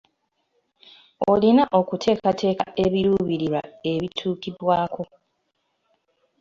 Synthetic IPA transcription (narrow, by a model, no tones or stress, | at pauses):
o̰linaʔo̞kutʰe̞ːkatʰe̞ːka̰ʔe̞βiɾuːβiɾiɾa̰e̞βitʰuːkiβwaːkʰo̞